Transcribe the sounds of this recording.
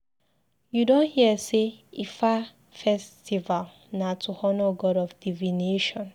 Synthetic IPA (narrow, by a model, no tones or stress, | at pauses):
judõnhiəseifa | fɛstival | natuhɔnoɡɔɾɔfdivineʃɔ̃n